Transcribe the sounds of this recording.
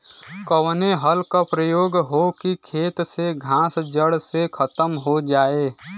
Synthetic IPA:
kəwneɦəlkapɾəjoːɡɦokikʰeːt̪seɡʱãːsd͡ʒəɽsekʰət̪əmɦod͡ʒaːeː

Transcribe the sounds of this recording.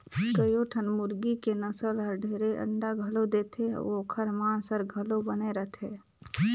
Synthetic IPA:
kəjoʈʰənmʊɾɡikenəsəlɦəɾɖʱeːɾeʔə̰ɳɖaɡʱəlod̪eːt̪ʰḛokʰəɾmaːnsəɾɡʱəlobəneɾəɦt̪ʰeː

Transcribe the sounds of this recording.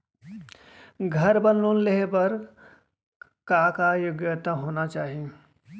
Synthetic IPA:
ɡʱəɾbənlunleɦbəɾ | kaːkajʊɡjət̪aɦoːnat͡ʃaːɦie

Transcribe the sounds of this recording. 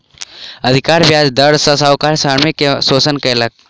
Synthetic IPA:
əd̪ʱikaːɾbjaːd͡ʒd̪əɽsɐsawkaːɾsaːɾmikːesoːsənkələk̚

